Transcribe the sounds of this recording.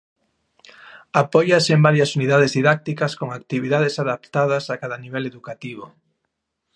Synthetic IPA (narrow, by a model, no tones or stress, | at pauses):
apɔjɐsembaɾjɐsuniðað̞ezðiðak̚t̪ikɐskoŋak̚t̪iβiðað̞esaðapt̪aðɐsakaðaniβ̞ɛleðukat̪iβ̞o